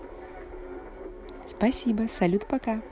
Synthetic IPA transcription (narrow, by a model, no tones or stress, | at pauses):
spɐsʲiːbɐsɐlʲut̪pɐkɑ